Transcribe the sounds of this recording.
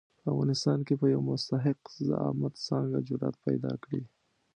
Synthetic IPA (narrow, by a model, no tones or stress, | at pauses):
pəavɣɑnɪst̪ɑnkepəjawmʊst̪aɦɪqzə̰ɑ̰mat̪sɑŋɡad͡ʒʊɾɑt̪̚pajd̪ɑkɽi